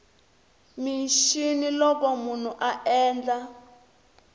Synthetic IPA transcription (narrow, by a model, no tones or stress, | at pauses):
miʃinilɔkɔmun̤uʔaʔɛːnd͡ɮa